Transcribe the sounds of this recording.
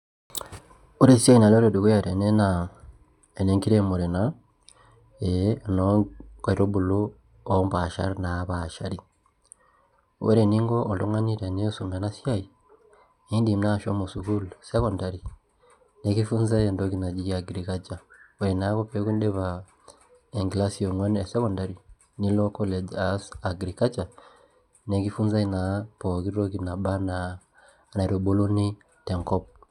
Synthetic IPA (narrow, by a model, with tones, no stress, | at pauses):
u˦ɾe˦sja˦ji˨na˨lo˦ɾo˨du˨ku˦ja˨ɾe˨ne˦na | e˨ne˦ŋki˦ɾe˦mo˨ɾe˨na | enoa˨ɾo˦bu˨lu | omba˨ʃa̰˦ɾinaβaʃa̰˨ɾi˨ | wḛ˦ɾe˨ni˦ŋɡoː˨do˦ŋa˦ni˦ɾene˦su˨mbe˨na˦sjaji | i˦ndi˨m˦na˦ʃo˦mo˨su˨ɡu˦luse˦konda˨ɾi | ne˨˦ki˦fu˦nza˦ɛ˨ndɔ˦ki˨na˨d͡ʒi˦a˨ɡɾi˨ka˦t͡ʃa˨wɛ˨ɾɛ˨na˨˦kɔ˦pɛ˦ku˦n˦dɛ˦βa˨ | e˨ŋɡla˦si˨ɔ˨ŋwa˦nɛ˨sɛ˦kɔ˨nda˨ɾi˨ | ni˦lɔ˦kɔ˦lɛ˨d͡ʒa˨sa˨ɡɾi˨ka˦t͡ʃa˨ | ne˨ki˦fu˦nza˦i˨na˨pɔ˨ki˦ɾɾɔ˦ki˨na˨ɓa˦na˨ | na˨ɾo˨bo˦lo˦ni˦ | tɛ˨ŋkɔ˦p̚